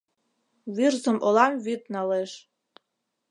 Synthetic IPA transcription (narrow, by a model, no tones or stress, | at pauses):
βirzə̆mʔolˠɑmvyt̪̚nɑleʃ